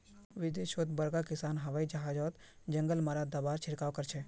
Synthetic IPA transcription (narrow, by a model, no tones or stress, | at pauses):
ʋɪd̪eːʃət̪bɐɾɡakɪsaːnɦɐʋaːid͡ʒɐɦaːd͡ʒɔːt̪ | d͡ʒə̃ŋɡəlmaɾad̪abaːɾt͡ʃʰɪɾkaːʋkəɾt͡ʃʰe